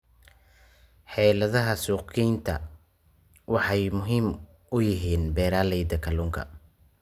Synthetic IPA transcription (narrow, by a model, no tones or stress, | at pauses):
ħɛːlɐðɐɦɐsuːqiːnt̪ʰɐ | wɑħɑjmʊɦiːm | ʊjɪɦiːnbɛːɾaːlɛjd̪ɐkʰɐluːŋkʰɐ̰